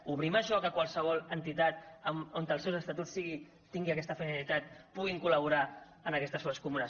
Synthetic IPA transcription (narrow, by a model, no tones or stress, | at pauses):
uβɾiməʃɔkəkwalˠsəβ̞ɔlənt̪it̪at̪̚əmont̪əlˠsewzəst̪at̪usiɣi | t̪iŋɡiakɛst̪əfinilit̪at̪̚puɣ̞iŋkuləβuɾa | ənakɛst̪əsfoɾskumuna